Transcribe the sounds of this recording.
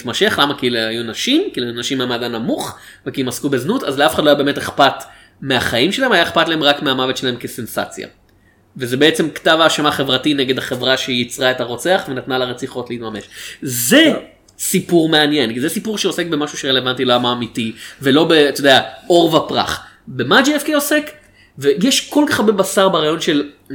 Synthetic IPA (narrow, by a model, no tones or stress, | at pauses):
tmaʃe̞χlamakilajunaʃimkilujunaʃimːamadanːamuχ | vekiemaskube̞znutazleafeχad̪loajabemeteχpat | meaχajimʃelahemhajaeχpatlae̞mʁakmeamavetʃelahemkese̞nsa̰t͡sja̰ | vezebeet͡se̞mktavaːʃamaχe̞vʁatineɡe̞d̪haχe̞vʁaʃejit͡sʁaetaʁo̞t͡se̞aχvenat̪nalaʁet͡siχo̞tleiːtmame̞ʃze | sipuʁme̞anje̞nkizesipuʁʃeose̞k̚bemaʃuʃeʁele̞vantiloamaːmitivelo̞be̞t̪odeao̞ʁvapʁa̰χ | bemad͡ʒiefkeosek | vejɛʃko̞lkaχaʁbebasaʁbaʁajo̞nʃe̞l